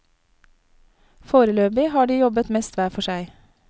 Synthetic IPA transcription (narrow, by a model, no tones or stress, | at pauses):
foːɾəløːbɪhɑːɖiːjɔbət̪mɛst̪ʋæːfɔʃæɪ